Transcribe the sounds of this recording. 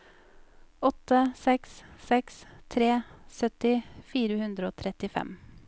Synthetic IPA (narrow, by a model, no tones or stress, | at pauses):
ɔt̪əsɛkssɛkst̪ʰɾeːsœt̪ɪfiːɾəhʉnd̪ɾəoːt̪ʰɾɛt̪ɪfɛ̰m